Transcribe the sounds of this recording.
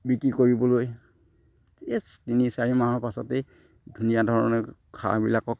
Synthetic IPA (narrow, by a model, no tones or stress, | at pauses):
bikɹikoɹibɔloj | estinisaɹimaɦɔɹpasɔtɛ | dʱunijadʱɔɹɔ̰nɛkʰa̰bilakɔk